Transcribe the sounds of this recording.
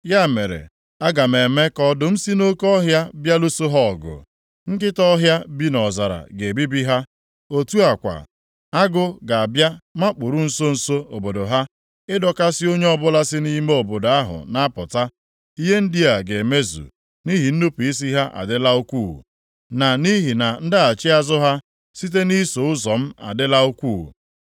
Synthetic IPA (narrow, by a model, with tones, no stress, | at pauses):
ja˦˨me˨ɾḛ˨ | a˦ɡa˨m̩˨e˨me˦kɔ˦dʊ˨m̩˦si˦no˦kɔ˦ɦja˦bja˦lu˦so˦ɦɔ˦˨ɡʊ̰˨ | ŋ̩˦kɪ˦tɔ˦ɦja˦bi˦nɔ˨za˨ɾa̰˨ɡe˨bi˦bi˦ɦa˦ | o˦tu˦a˨kʷa̰˨ | a˦ɡʊ˦ɡa˨a˨bja˦ma˦k͡pʊ˨ɾu˦n̩˨so˦n̩˨so˦o˨bo˨do˨ɦa˦ | ɪ˦dɔ˨ka˦sɪ˦o˦ɲe˦ɔ˦bʊ˦la˦sɪ˦ni˦me˦o˨bo˨da˦ɦʊ̰˨na˦pʊ˨ta˦ | i˦ɦe˦n̩˦di˦a˨ɡe˨me˦zṵ˨ | ni˦ɦi˨n̩˦nu˦pi˨i˦s̬i˦ɦa˦ʔa̰˨dɪ˦la˦o˦kʷṵ˦˨ | na˨ni˦ɦi˨na˨n̩˦dɪ˦a˨t͡ʃɪ˦a˦zʊ˦ɦa˦ | si˦t̬e˦ni˦so˨ʊ˦zɔ˨m̩˦a̰˨dɪ˦la˦o˦kʷṵː˦˨